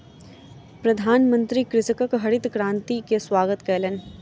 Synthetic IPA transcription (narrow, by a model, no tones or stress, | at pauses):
pɾɐd̪ʱaːnmə̃nt̪ɾikɾɪsəkəkɦɐɽɪt̪kɾãːnt̪ikeswaːɡət̪kɛːlen